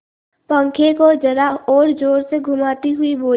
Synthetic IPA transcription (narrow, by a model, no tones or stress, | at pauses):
pə̃ŋkʰekod͡ʒɐɾaɔːɾd͡ʒoːɾseɡʱʊmaːt̪iɦʊiboː